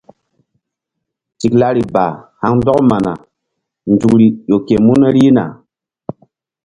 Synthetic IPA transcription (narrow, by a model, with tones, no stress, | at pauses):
ti˨kla˦ɾi˨ba̰˨ha˦ŋn˦dɔ˦kma˨na̰˨ | n˨du˨kɾi˨jo˨ke˨mu˦ne˦ɾi˦na̰˨